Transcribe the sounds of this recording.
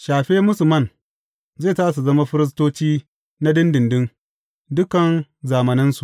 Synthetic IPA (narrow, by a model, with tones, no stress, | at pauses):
ʃaː˨ɸeː˦mʊ˦sʊ˨mɐ˦˨n | zeː˦˨taː˦s̬u˨zɐ˦ma˦ɸɪ˦ɾɪ˦s̬toː˦t͡ʃiː˦ | na˦dɪ˦ndɪ˨ndɪ˦n | dʊ˦kɐ˨nzaː˨mɐ˨nɪ˦nsu˨ʔ